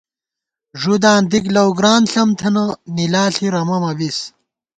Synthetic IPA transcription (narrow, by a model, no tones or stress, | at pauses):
ʐud̪aːnd̪iklɐwɡɾaːnɬɐmt̪ʰɐnɐnilaːɬiɾɐmɐmɐbis